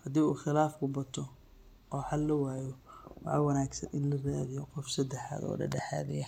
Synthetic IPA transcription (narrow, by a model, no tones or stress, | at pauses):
hɐd̪iːuːχɪlaːfkʰʊbɐt̪ʰɔ | ɔːħɑlːɐwaːjɔwɑʕɑwɐnaːɡsɐ̰nʔɪnlɐraːðɪjɔqɔfsɐd̪ɛħa̰ːd̪ɔ̰ːɖɐ̰ɖɛħa̰ːðɪjɐ